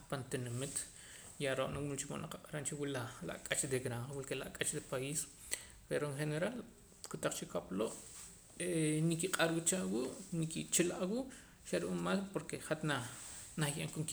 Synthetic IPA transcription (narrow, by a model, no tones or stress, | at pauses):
pant̪enamit̪ | jaɾoʔnawnut͡ʃimo̰ʔnʔa̰qaqʼaɾant͡ʃiwilala̰ʔkʼat͡ʃd̪eɡɾaŋχewilkelaʔkʼat͡ʃd̪epaiːs | peɾoeŋχeneɾal | kut̪aq͡χt͡ʃikoɓ̥loʔ | enikiqʼaɾwit͡ʃaʔwuʔnikit͡ʃilaʔwuʔ | ʃaɾuʔunmalpoɾkeχat̪nanaχjʔeŋkoŋk